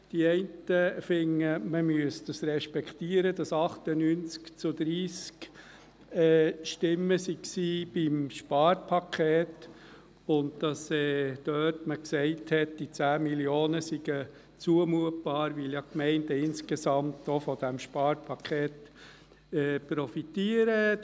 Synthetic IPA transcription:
d̥iɛɪntəfɪŋːəməmyəsd̥əsɾɛʃpɛkχtiəɾəd̥ɑsɑχtənynt͡skt͡sʊd̥̪ɾiːsk | ɛʃtɪmːəsiksiːb̥imʃpɑːɾpʰɑkʰeːt | ʊndd̥ɑsɛːd̥œːtməksɛɪthɛt̚d̥it͡sæːmiljoːnəsiɡ̥ə | t͡suəmuət̚b̥ɑːɾʋɪljɑkmɛɪndəɪnskesɑmtofɔd̥æmʃpɑːɾpʰɑkʰχeːt | ɛpɾɔfitiəɾə

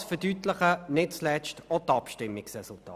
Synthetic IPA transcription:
sfəd̥ytləχənɪtt͡slɛt͡ʃtɔtɑpʃtɪmːɪksʁɛsultɑ̰ː

